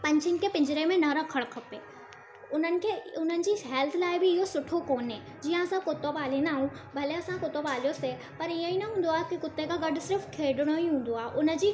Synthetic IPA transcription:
pɐ̃ɲd͡ʑʰənɪ̆kʰeːpɪ̃ɲd͡ʑɪɾemẽnɐɾɐkʰəɽ̃kʰɐpeː | ʊn̤ənɪ̆kʰeːʊn̤ənɪ̆d͡ʑiːɦɛːlt̪ʰlaːɪbɪɪɦosʊʈʰokoːnɦeː | d͡ʑiːə̃ɐsãkʊt̪obaːl̤ĩnd̪aːɦũbʱɐleɐsãkʊt̪obaːl̤ijose | pɐɾijə̃ĩnɐɦũːn̆d̪oaːɦkikʊt̪ːekaɡɐɖʊsɪɾəfkʰeːɖɪɽ̃oiɦũːn̆d̪oaːɦɪʔʊnə̆d͡ʑiː

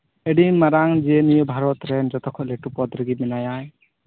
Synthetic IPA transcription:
ɛɖinmaɾaŋd͡ʒienijɔbʱaɾɔt̪ɾɛnd͡ʒɔt̪ɔkʰɔt̪lɛʈupɔd̪ɾɯɡiminajaj

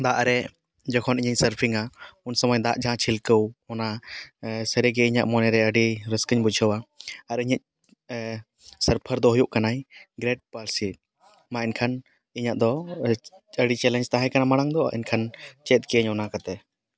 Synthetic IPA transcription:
d̪aʔɾɛ | d͡ʒɔkʰɔniɲəɲsəɾpʰiŋaunsɔmɔjd̪aʔd͡ʒʱãt͡ʃʰilkəwɔna | səɾiɡɛiɲaʔmɔnɛɾɛəɖiɾəskəɲbud͡ʒʱəwaaɾiɲaɲ | səɾpʰəɾd̪ɔɦujuʔkanajɡɾeɖ̚paɾsi | mãinkʰan | iɲaʔd̪ɔ | əɖit͡ʃɛlɛnd͡ʒt̪aɦɛ̃kanamaɽ̃aŋd̪ɔ̰ʔḭnkʰant͡ʃɛt̪̚kiəɲɔnakat̪ɛ

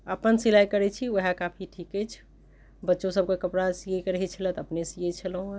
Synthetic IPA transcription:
əpənsilajkəɾɛt͡ʃʰiʋəɦakapʰiʈʰikɛt͡ʃʰ | bətːʃõsəb̚kekəpɾasijekəɾəɦɛt͡ʃʰələt̪əpnesijet͡ʃʰəlɦũ

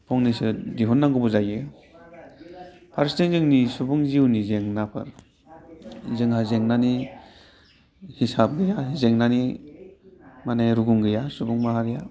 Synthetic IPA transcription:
pʰɔŋnisɯdiɦɔnːaŋɡɔbɔzajɯ | pʰaɾsteŋzeŋnisubuŋziwnizeŋnapʰɯ̰ɾ | zɯŋɦazeŋnani | hisap̚ɡɯjazeŋnani | manajɾuɡuŋɡɯjasubuŋmaɦaɾija

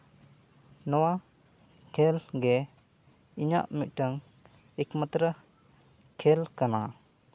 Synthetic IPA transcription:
nɔwa | kʰɛlɡɛ | iɲa̰ʔmic̪̚ˀʈəŋ | ɛkmət̪ɾə | kʰɛlkana

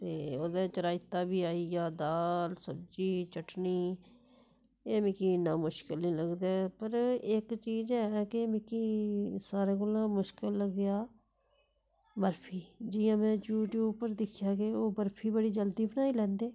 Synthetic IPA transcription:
t̪eːoːd̪eːt͡ʃəɾaːɪt̪ːaːbiːaːiaːd̪aːlsəbd͡ʒiːt͡ʃəʈniː | eːmɪkiːnaːmʊʃkɪlnĩːləɡd̪eːpəɾɪkt͡ʃiːzɦɛːkɪmɪkiːsaːɾeːkʊlãːmʊʃkɪlːəɡjaː | bəɾpʰiːd͡ʒɪjãːmɛ̃ːd͡ʒuːʈjuːpəɾd̪ɪkʰjaːkeoːbəɾpʰiːbəɽiːd͡ʒəld̪iːbənaːiːlɛ̃ːnd̪eː

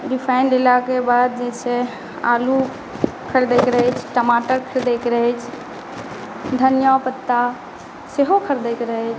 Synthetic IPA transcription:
ɖipʰaɪnlelakebad̪̚d͡ʒɛse | a̰lu | kʰəɾd̪ekɾəɦɛt͡ʃʰʈəmaʈəɾkʰəɾd̪ekɾəɦɛt͡ʃʰ | d̪ʱənjapət̪ːa | seɦokʰəɾd̪ekɾəɦɛt͡ʃʰ

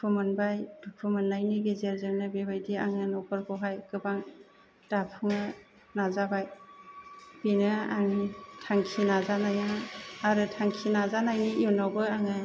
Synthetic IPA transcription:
pʰumanbajd̥uk̚ʰumanːajniɡezeɾzeŋnɯbebajdiaŋɯnɔkʰɔɾkʰɔɦajkɯbaŋ | d̥apʰɯŋɯ | nazabaj | binɯa̰ŋitʰaŋkʰinazanajaŋaɾɯtʰaŋkʰinazanajnijunawbɯaŋɯ

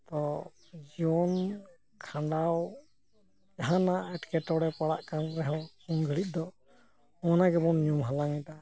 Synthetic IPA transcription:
t̪ɔ | d͡ʒɔn | kʰãɳɖaw | aɦãnaɛʈkɛʈɔɽɛpaɽaʔkanɾɛɦɔ | unɡʱəɭit̪̚ˀd̪ɔ | ɔnaɡɛbɔnɲumɦalaŋɛt̪a

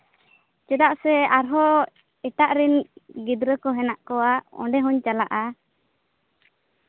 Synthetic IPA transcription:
t͡ʃɛd̪aʔsɛaɾɦɔ | ɛʈaʔɾɛnɡid̪ɾəkɔɦɛnaʔkɔwaɔ̰̃ɖɛɦɔɲt͡ʃalaʔa

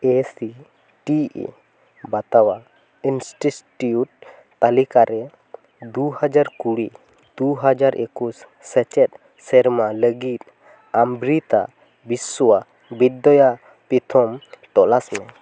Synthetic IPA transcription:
esi | ʈḭ | bat̪awa | insʈisʈiuʈ̚ | t̪alikaɾɛ | d̪uhad͡ʒaɾkuɽi | d̪̥uɦad͡ʒaɾekusː | ɛt͡ʃɛt̪̚ | sɛɾmaləɡit̪̚ | ambɾit̪a̰ | biswa | bid̪ːɔja | pit̪ʰɔmʈ̪ɔlasmɛ

